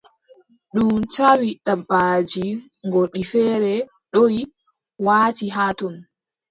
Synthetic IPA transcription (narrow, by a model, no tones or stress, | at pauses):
ɗumt͡ʃawiɗabːaːd͡ʒi | ŋɡɔɗifɛːɾɛ | ɗoj | waːtiɦaːtɔn